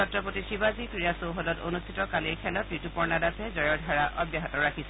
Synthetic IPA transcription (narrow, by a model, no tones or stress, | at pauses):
ɔtɹɔpotisibazikɹijasowɦɔlɔtonustʰitɔkaliɹkʰɛlɔtɹitupɔɹnadasɛzɔjɔɹdʱaɹaʔɔbjaɦɔtɔɹakʰisɛ